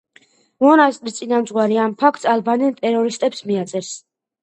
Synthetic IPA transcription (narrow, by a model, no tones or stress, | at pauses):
mɔnast̪ʼɾist̪sʼinamd̪zʼʁwaɾiampʰakʰt̪salbanint̪ʼɛɾɔɾist̪ʼɛpsmiat̪sʼɛɾs